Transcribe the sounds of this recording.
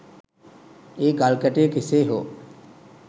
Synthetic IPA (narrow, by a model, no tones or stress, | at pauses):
eːɡalkəʈekiseːɦoː